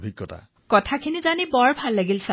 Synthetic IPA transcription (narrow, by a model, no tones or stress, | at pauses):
bʱikːɔta̰ | kɔtʰakʰinizanibɔɹbʱalːaɡilsa